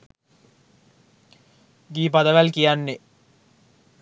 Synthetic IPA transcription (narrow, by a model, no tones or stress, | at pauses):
ɡiːpad̪əʋælkijanːe